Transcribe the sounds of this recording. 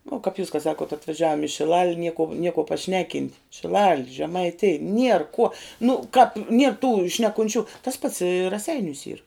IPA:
ʋuɔ kɐp juːs kɐ ˈsɑːkuɔt ɐtʋɐˈʒʲæːʋoːm ɪ ʃʲɪˈlˠɐlʲ nʲiɛ kuɔ nʲiɛ kuɔ pɐˈʃʲnʲæːˌkʲɪnʲtʲ ʃʲɪˈlˠɐlʲ ʒʲɛmɐɪˈtʲɪj ˈnʲiɛr ˈkuɔ nʊ kɐp nʲiɛr tuː ʃʲnʲɛkʊnʲˈt͡ʃʲuː tɐs pɐts ɪ rɐˈsʲɛɪnʲuːs iːr

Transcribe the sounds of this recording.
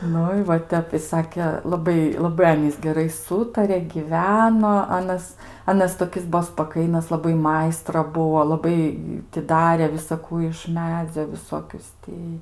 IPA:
ˈnʊ ɪ ʋɐ ˈtʲɛp ɪ ˈsɑːkʲɛ lˠɐˈbɐɪ lˠɐˈbɐɪ ˈɑːnʲiːs ɡʲɛˈrɐɪ ˈsuːtɐrʲɛ ˈɡʲiːʋʲɛnoː ˈɑːnɐs ˈɑːnɐs toːˈkʲɪs ˈbuɔ spɐˈkɐɪnɐs lˠɐˈbɐɪ ˈmɐɪstrɐ ˈbʊʋoː lˠɐˈbɐɪ tʲɪ ˈdɑːrʲeː ʋʲɪsɐˈkuː ɪʃ ˈmʲæːd͡zʲoː ʋʲɪˈsoːkʲʊs ˈtʲɪ

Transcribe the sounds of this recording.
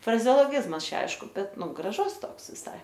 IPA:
frɐzʲɛoːlˠoːˈɡʲɪzmɐs ˈt͡ʃʲɛ ˈɐɪʃkʊ ˈbʲɛt ˈnʊ ɡrɐˈʒʊs ˈtoːks ʋʲɪˈsɐɪ

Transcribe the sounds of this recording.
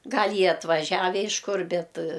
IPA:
ˈɡɐlʲ ˈjiɛ ɐtʋɐˈʒʲæːʋʲɛ ɪʃ ˈkʊr ˈbʲɛt

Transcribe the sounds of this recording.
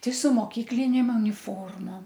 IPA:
ˈtɐɪ sʊ moːˈkʲiːklʲɪnʲeːm ʊnʲɪˈfoːrmoːm

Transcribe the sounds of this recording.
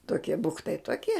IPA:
toːˈkʲiɛ ˈbʊktɐɪ toːˈkʲiɛ

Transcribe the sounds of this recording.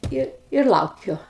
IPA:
ˈɪr ɪr ˈlˠɐʊkʲʊ

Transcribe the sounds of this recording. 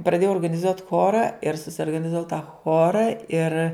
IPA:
prɐˈdʲeːjɛʊ oːrɡɐnʲɪˈzuɔtʲ ˈxoːrɐ ɪr sʊsʲoːrɡɐnʲɪzɐˈʋɐʊ tɐ ˈxoːrɐ ɪr

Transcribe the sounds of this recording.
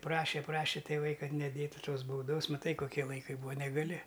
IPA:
ˈprɑːʃʲeː ˈprɑːʃʲeː tʲeːˈʋɐɪ ˈkɐt nʲɛˈdʲeːtʊ ˈtoːs bɐʊˈdoːs mɐˈtɐɪ koːˈkʲiɛ lˠɐɪˈkɐɪ ˈbuːɐ nʲɛɡɐˈlʲɪ

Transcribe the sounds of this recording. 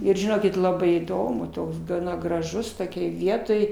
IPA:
ˈɪr ʒʲɪˈnoːkʲɪt ˈlˠɑːbɐɪ iːˈdoːmʊ ˈtoːks ɡɐˈnɐ ɡrɐˈʒʊs toːˈkʲoːj ˈʋʲiɛtoːj

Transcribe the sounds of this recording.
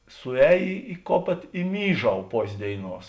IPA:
sʊˈɛːj ɪ ˈkoːpʲeːt ɪ ˈmʲiːˌʒɐʊ ˈpoːsʲ ˈdʲeːɪˌnuɔs

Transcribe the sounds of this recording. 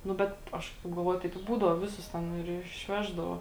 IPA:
nʊ ˈbʲɛt ˈɐʃ tɐɪp ɡɐlˠˈʋoːjʊ tɐɪp ɪ ˈbuːdɐʊ ˈʋʲɪˌsʊs ˈtʲɛn ɪr ɪʃʲˈʋʲæːʒdɐʋoː

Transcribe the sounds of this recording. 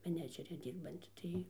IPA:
mʲɛˈnʲæːd͡ʒʲɛrʲɪ ˈdʲiːrbɐnʲtʲɪ ˈtɐɪ

